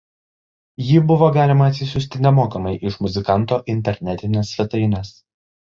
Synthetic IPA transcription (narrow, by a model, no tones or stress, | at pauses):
jiːbʊʋoːɡɑːlʲɪmɐːt̪ʲsʲɪsʲʊsʲt̪ʲɪnʲɛmoːkɐmɐɪʔɪʃmʊzʲɪkɐnˑt̪oːʔɪnʲt̪ʲɛɾʲnʲɛt̪ʲɪnʲɛsʋʲɛt̪ɐɪnʲɛs